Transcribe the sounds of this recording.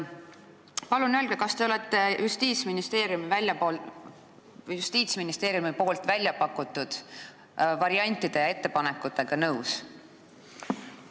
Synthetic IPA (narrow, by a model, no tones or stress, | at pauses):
pɑlunø̞ːlɡ̥ekɑst̪e̞o̞le̞t̪ːˑe̞just̪iːt̪sminist̪e̞ːɾjumivælʲjɑpol | just̪iːt̪sminist̪e̞ːɾjumipo̞ːlt̪vælʲjɑpɑkːˑut̪ːˑud̪̥ | vɑɾiɑnʲt̪ːˑid̪̥e̞jɑe̞t̪ːe̞pɑnekːut̪ːˑe̞ɡ̥ɑnɤws